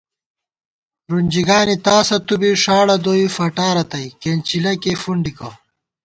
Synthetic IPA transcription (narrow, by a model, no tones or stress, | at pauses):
ɾunʲd͡ʑiɡaːnit̪aːsɐt̪ubiʂaːɽɐd̪oːifɐʈaːɾɐt̪ɐjkeːnt͡ɕilɐkefuɳɖikɐw